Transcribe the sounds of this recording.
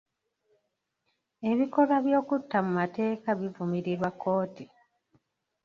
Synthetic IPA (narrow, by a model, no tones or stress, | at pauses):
e̞βiko̞laβjo̞ːkutːamumate̞ːkaβivumiɾiɾwakːo̞ːti